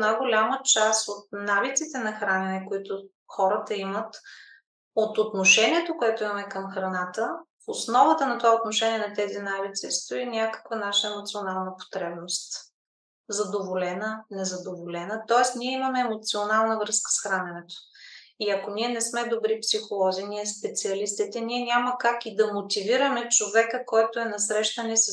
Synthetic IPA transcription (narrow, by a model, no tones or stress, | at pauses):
najɡolʲamət͡ʃasot̪̚navit̪sit̪ɛnɐxɾanʲɛnɛkoit̪o | xɔɾət̪əimət̪ | ot̪ot̪noʃɛniɛt̪okoɛt̪ʊimɐmɛkəmxɾɐnat̪əfosnɔvət̪ənɐt̪ovaot̪noʃɛniɛnɐt̪ɛzinavit̪sist̪oinʲakə̥kvənaʃəɛmot̪sionalˠnəpo̥t̪ɾɛbnost̪ | zɐd̪ovolɛnənɛzɐd̪ovolɛnət̪ɔɛst̪niɛimɐmɛːmot̪sionalˠnəvɾɤskə̥sxɾanʲɛnɛt̪o̥iɐkoniɛnɛsmɛd̪obɾipsixolˠɔziniɛspɛt̪siɐlist̪it̪ɛniɛnʲaməkakid̪ɐmot̪iviɾəmɛt͡ʃovɛkəkɔjt̪oɛnɐsɾɛʃt̪ənɛs